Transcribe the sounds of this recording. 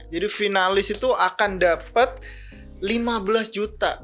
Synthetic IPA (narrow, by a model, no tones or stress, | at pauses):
d͡ʒadifinalɪsit̪uʔakandapət̪̚ | limabəlasd͡ʒut̪a̰